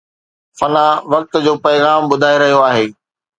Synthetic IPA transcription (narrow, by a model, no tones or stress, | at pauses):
fɐnaʋɐk̚t̪d͡ʑoːpɐjɣaːmbʊd̪ʱaːeɾɐɦijoaːɦeː